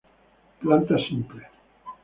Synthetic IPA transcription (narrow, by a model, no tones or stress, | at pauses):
plant̪asimple